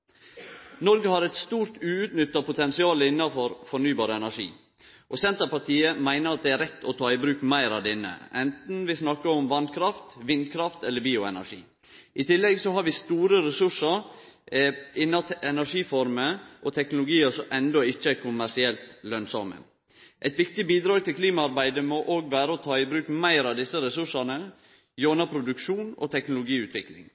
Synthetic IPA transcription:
nɔɾɡəhɑɾɛt̪st̪uːɾt̪ʉːʉt̪nʏt̪ːɑpʰʊt̪ʰɛnsɪɑːləɪnːɑfɔɾfɔɳyːbɑːɾəɛnæʂḭː | ʔɔsɛnt̪əɾpɑt̪ʰiːəmæɪnəɾɑt̪̚d̪ɛæɾɛt̪ʰːɔt̪ʰɑːɪbɾʉːkmæɪɾɑʋd̪ɪnːə̰ʔɛnt̪n̩ʋɪsnɑkːəɔmʋɑnkʰɾɑft̪ʋɪnd̪kʰɾɑft̪ɛlːəɾbiːʊɛ̰næ̰ʂḭː | ʔɪt̪ʰɪlːɛɡsɔhɑɾʋɪst̪uːɾəɾɛsʉʂəɾ | ɪnːɑɛnæʂiːfɔɾməʔɔt̪ʰɛknʊlʊɡiːəsɔʔɛnd̪ɔɪçːəækʰʊmæʂɪɛlt̪lœnsɔmə̰ | ʔɛt̪ʋɪkt̪ɪbiːd̪ɾɑːɡt̪ʰɪlkʰliːmɑɑɾbæɪd̪əmɔʔoːɡʋæːɾəɔt̪ʰɑːɪbɾʉːkmæɪɾɑʋd̪ɪsːəɾɛsʉʂɑnə | joːnɑpʰɾʊd̪ʉkʂuːnɔ̰t̪ʰɛknʊlʊɡiːʉːt̪ʰʋɪklɪ̰ŋ

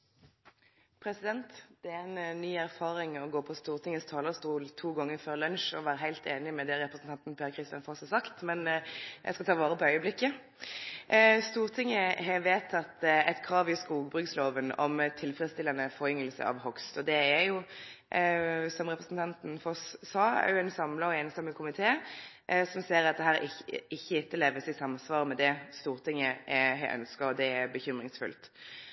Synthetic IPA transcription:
pʰɾɛsɪd̪ɛnt̪d̪̥ɛæænnːyːæɾfɑːɾɪŋɔɡoːpʰɔst̪uːʁt̪ʰɪŋːəst̪ʰɑːləʁst̪uːlt̪ʰuːɡɑŋːəɾføːʁlœnʃɔʋæːɾəɦæɪlt̪eːnɪmɛd̪ɛɾɛpɾəsn̩t̪ɑnt̪n̩pʰjæːɾkʰʁɪst̪ɪjɑnfɔshɑsɑkt̪mɛnjæ̰ɪskɑt̪ʰɑːʋɑːʁəpɔœʏəblɪkːə | st̪uːʁt̪ʰɪŋːəɦɛʋeːt̪ʰɑt̪ːɛt̪kʰɾɑːʋɪskuːɡbʁʉksloːʋənɔ̰mt̪ʰɪlfɾɛst̪ɪlɑnəfɔɾʏŋːəlsə̰ɑ̰ʋhɔkst̪ɔd̪ɛæjʊ | sɔmʁɛpʁəsn̩t̪ʰɑnt̪n̩fɔssɑːæ̰ʁjʊæɪnsɑmlɑɔeːnəst̪ɑməkʰʊmɪt̪ʰeː | sɔmseːɾɑt̪̚d̪ɛɦæːɾɪɪçːəɪt̪ːəleːʋəsɪsɑmsʋɑːɾəmɛd̪ɛst̪uːʁt̪ʰɪŋːəʔhæɪʔœ̰nskəɔd̪ɛæbəçʏmʁɪŋsfʉ̰lt̪

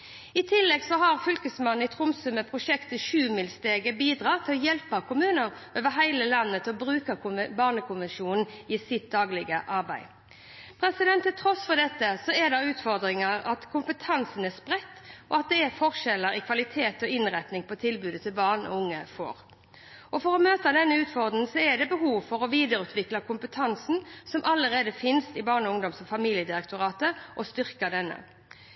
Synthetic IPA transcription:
ɪt̪ʰɪlːɛɡsɔɦɑʁfʏlkəsmɑn̩ɪt̪ʰʁʊmsʉməpʰʁʊʂɛkt̪əʃʉːmɪlst̪eːɡəbiːd̪ʁɑːt̪ʰɪlɔjɛlpɑkʊmʉːnəɾoːʋəɦæɪləlɑnːət̪ʰɪlɔbʁʉːkəbɑːʁnəkʰʊnʋɛnʃuːnn̩iːsɪt̪̚d̪ɑːɡlɪɡə̰ʔɑʁbæɪ | pʰɾɛsɪd̪ɛnt̪ʰːɪt̪ʰʁɔsfɔʁd̪ɛt̪ːəsɔɛd̪ɑʉːt̪fɔʁd̪ʁɪŋəʁɑt̪kʰʊmpət̪ʰɑnsn̩æspʁɛt̪ːɔɑt̪̚d̪ɛːʁfɔʁʂɛlːəɾɪkʰʋɑlɪt̪ʰeːt̪ɔɪnʁɛt̪nɪŋpɔt̪ʰɪlbʉːd̪ət̪ʰɪlbɑːʁnɔ̰ʊŋːəfo̰ːʁ | ʔɔfɔʁɔmøːt̪əd̪ɛnːəʉːt̪fɔʁd̪n̩sɔɛd̪ɛbəɦuːʋfɔʁɔʋiːd̪əɾʉːt̪ʋɪklɑkʰʊmpət̪ʰɑnsn̩sɔmʔɑləʁeːd̪əfɪnst̪ɪbɑːʁnɔʊŋd̪ɔmsɔfɑmiːljəd̪ɪɾɛkt̪ʊʁɑːt̪əʔɔst̪ʏʁkəd̪ɛnːə̰

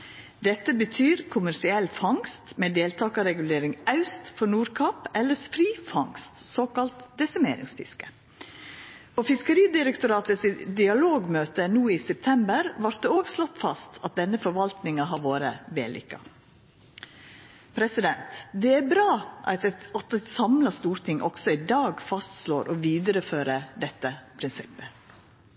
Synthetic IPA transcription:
d̪ɛt̪ːəbət̪ʰyːɾkʰʊmæɾsɪɛlfɑŋst̪mɛːd̪eːlt̪ʰɑːkɑɾɛɡʉleːɾɪŋɑʉst̪fɔɳuːɾkʰɑpɛlːəsfɾiːfɑŋst̪soːkɑlt̪d̪ɛsæmḛːɾɪ̰ŋsfɪ̰skə̥ | ofɪskəɾiːd̪ɪɾəkt̪ʊɾɑːt̪əsid̪ɪɑloːɡmøːt̪ənuːiːsɛp̚t̪ʰɛmbəɾʋɑɾt̪̚d̪ɛoːɡslɔt̪ːfɑst̪ɑt̪̚d̪ɛnːəfɔɾʋɑlt̪nɪŋɑɦɑɾʋoːɾə̰ʋeːlʔɪ̰ːkːɑ̰ | pʰɾɛsɪd̪ɛnt̪d̪ɛæɾbɾɑːʔɑt̪ɛt̪sɑmlɑst̪uːɾt̪ɪŋʔɔ̰ɡ̥sɔɪd̪ɑːɡfɑst̪sloːɾʔɔʋiːd̪əɾəføːɾəd̪ɛt̪ːəpʰɾɪnsɪpːə

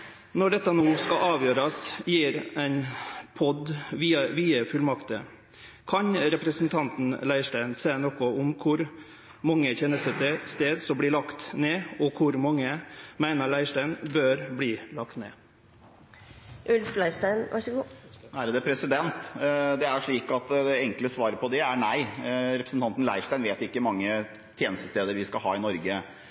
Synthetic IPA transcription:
nɔɖɛt̪ːɑnoːskɑʔɑːʋjøːɾɑsjiːɾæɪnpʰɔd̪ʋiːɑʋiːəfʉlmɑkt̪ə̰ | kʰɑɲɾɛpɾəsn̩t̪ʰɑnt̪n̩læɪʂʈæɪnseːnoːkʊʊmkʰʊɾ | mɑŋːəçɛnːəst̪ət̪ʰɛst̪eːd̪sɔbliːlɑkt̪neːɔkʰʊɾmɑŋːəmæɪnəɭæɪʂʈæɪnbøːɾbliːlɑkt̪nḛː | ʔʉlflæɪst̪æɪnʋɑ̰ɡæɾd̪ɛpʰɾɛsɪd̪ɛnt̪d̪ɛæɾʂɭiːkɑt̪d̪ɛɛŋkləsʋɑːɾəpʰɔd̪ɛænæɪɾɛpɾəsn̩t̪ɑnt̪n̩læ̰ɪʂʈ̪æɪnʋeːt̪ɪkːəmɑŋːə | t̪ʰjeːnəst̪əst̪eːd̪əɾʋɪskɑɦɑ̰ːɪnɔɾɡə

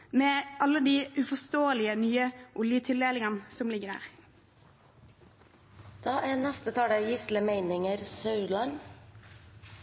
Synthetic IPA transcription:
meːʔɑlːəd̪iːʔʉfɔst̪oːəlɪənyːəʔʊljət̪ʰɪld̪eːlɪŋɑnsɔmlɪɡəɾæ̰ːʁ | d̪̥ɑːʔæːnɛst̪ət̪ʰɑːɽəjɪsləmeɪnɪŋəɾsɑʉlɑn

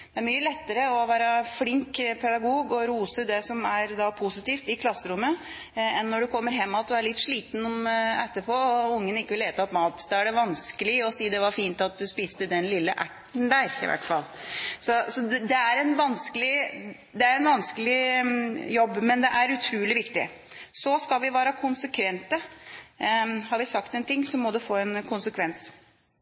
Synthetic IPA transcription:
d̪ɛæɾmyːəlɛt̪ːəɾəɔʋæːɾəflɪŋkpʰɛd̪ɑɡuːɡɔɾuːsəd̪ɛsɔmæɾd̪ɑpʰʊsɪt̪iːft̪ɪkʰlɑsːəɾʊmːə | ɛnːɔɖʉkʰɔmːəɾɦɛmːɑt̪ɔæɭɪt̪ːʂɭiːt̪n̩mɛt̪ːəpʰoːɔʊŋːənɪkːəʋɪleːt̪əɔpmɑːt̪d̪ɑæɖɛʋɑnskəlɪɔsiːd̪ɛʋɑɾfiːnt̪ɑt̪̚d̪ʉspiːst̪əd̪ɛnlɪlːə̰ʔæ̰ʈː | əɳ̩d̪æːɾɪ̰ʋæ̰ʈfɑ̰lːsɔsɔd̪ɛæɾɛnʋɑnskəlɪ | d̪ɛæɾɛnʋɑnskəlɪ | jɔbːmɛnd̪ɛʔæɾʉt̪ʰɾʉːlɪʋɪkt̪ɪ̰ | sɔskɑlʋɪʋæːɾəkʰʊnsəkʰʋɛnt̪ə | hɑɾʋɪsɑkt̪ɛnt̪ʰɪŋːsɔmːɔd̪ʉfoːɛnkʰʊnsəkʰʋɛns

